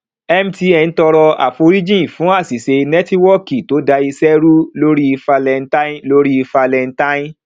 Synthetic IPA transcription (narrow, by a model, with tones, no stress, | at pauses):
ɛ˦m˦ti˧˦ɛ˧n̩˦tɔ˧ɾɔ˧a̰˨fo˧ɾi˦d͡ʒĩ˦˨fũ˨˦a˦˨si˨se˧nɛ˦ti˦wɔ˦˨ki˨to˨˦da˧i˧sɛ˦ɾu˦lo˦ɾi˦i˧fa˧lɛ˧n˦ta˦ĩ˦lo˦ɾi˦i˧fa˧lɛ˧n˦ta˦ĩ˦